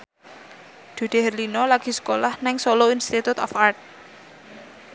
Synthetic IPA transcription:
d̪̥ṳɖ̪̥e̤ɦərlinɔlaɡ̥i̤sə̥kolahnɛŋsɔloinst̪it̪ut̪ɔfart̪̚

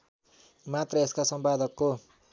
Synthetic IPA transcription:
mat̪rʌeskasʌmpad̪ʱʌkːo

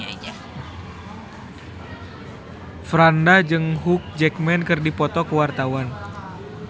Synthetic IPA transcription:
fɾandad͡ʒɨŋɦuk̚d͡ʒɛk̚mɛnkɨrdipɔt̪ɔkəwart̪awan

